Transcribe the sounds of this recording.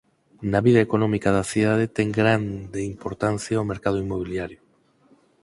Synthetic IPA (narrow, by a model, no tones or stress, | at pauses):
naβiðɐekonɔmikað̞aθiðað̞et̪ɛŋɡɾand̪eimpoɾt̪an̟θjaomeɾkaðʊimoβ̞iljaɾjʊ